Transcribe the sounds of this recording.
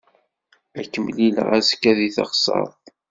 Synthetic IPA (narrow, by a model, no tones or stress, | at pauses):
ækːəmlilə̰ʁæskːæðiθə̰χsˤɑ̰ðˤ